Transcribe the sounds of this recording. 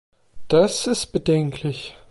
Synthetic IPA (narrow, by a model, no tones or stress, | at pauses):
d̥asɪst̚b̥ədɛŋkʰlɪç